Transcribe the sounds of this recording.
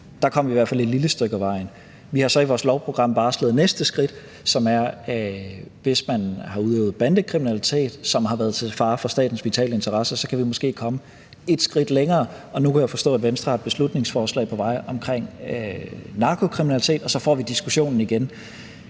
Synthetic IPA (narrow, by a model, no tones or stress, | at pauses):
d̥ɑ̈kʰɒ̽m̰ɐʋiʋæɐfæle̝d̥liləsd̥ʁœɡ̥əæʋɑ̈ɪn̩ | ʋihɑ̈sɒ̽iʋɒːslɒʊpʰʁo̝ɡ̥ʁɑ̈m̰b̥ɑ̈ːslḛð̩ˠnesd̥əsɡ̥ʁid̥ | sɒ̽mæɐ | ʋe̝smænhɑ̈uðˠɛ̰ːʊð̩ˠb̥ænd̥əkʰʁiminælit͡sʰe̝̰ːd̥sɒ̽mɦɑ̈ʋæːɐð̞̩ˠt͡sʰe̝fɑ̈ːfɒsd̥ɛ̰ːd̥n̩sʋit͡sʰɛ̰ːləe̝nt͡sʰɐʁɑsəɐsɒ̽kʰæʋimɔ̽sɡ̥e̝̰ːkʰɒ̽mə | e̝d̥sɡ̥ʁid̥leŋɐː | ɒ̽nukʰæjäfɒ̽sd̥ɔ̰ːæed̥ʋensd̥ʁɑd̥̚b̥e̝slud̥ne̝ŋsfɒːslɛ̰ɪpʰɒ̽ʋɑ̈ɪ̰ʔɒ̽mkʰʁeŋ̰ | nɑ̈kʰo̝kʰʁiminælit͡sʰe̝̰ːd̥ɒ̽sɒ̽fɒ̰ːʋid̥isɡ̥uɕo̝̰ːnn̩iɡ̥en